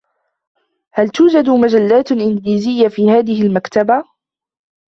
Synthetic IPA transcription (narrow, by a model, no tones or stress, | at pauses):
halt̪uːd͡ʒad̪mad͡ʒalːaːt̪ʔɪnɡliːzɪjːafiːhaːðɪhɪlmakt̪aba